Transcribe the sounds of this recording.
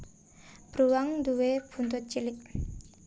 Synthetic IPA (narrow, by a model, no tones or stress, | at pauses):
b̥ɾuwaŋd̪uweb̥unt̪ʊt̪̚t͡ʃilɪk̚